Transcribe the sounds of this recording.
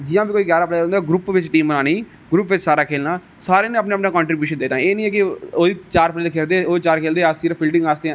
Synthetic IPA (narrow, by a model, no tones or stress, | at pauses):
d͡ʒɪjãːbiːkoːiːɡjaːɾaːpleːɾõːnd̪aːɡɾuːpʋɪt͡ʃʈiːmənaːniː | ɡɾuːpʋɪt͡ʃsaːɾaːkʰeːlnaː | saːɾeːnẽːəpnẽəpnaːkɔːɳʈɾɪbjuːʃənd̪eːnãːeːnĩːɛːkɪoːiːt͡ʃaːɾpʰleːlkʰeːld̪eːoːit͡ʃaːɾkʰeːld̪eːasiːɾpʰɪlɖɪ̃ŋɡaːsd̪eãː